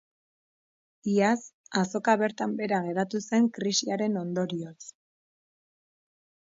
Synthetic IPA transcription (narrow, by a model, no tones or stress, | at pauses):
iasaso̞kaβe̞ɾt̪ambe̞ɾaɣe̞ɾat̪use̞ŋkɾisiaɾe̞no̞nd̪o̞ɾio̞s